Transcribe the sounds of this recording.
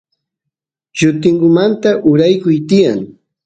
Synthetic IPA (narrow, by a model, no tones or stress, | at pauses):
ʒʊt̪ɪŋɡʊmant̪aʔʊɾajkʊjt̪ɪjaŋ